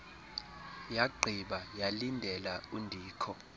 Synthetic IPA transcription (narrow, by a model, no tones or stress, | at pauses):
jaɡ͡ǃʱiɓajalindʱɛlaundʱiːkʰɔ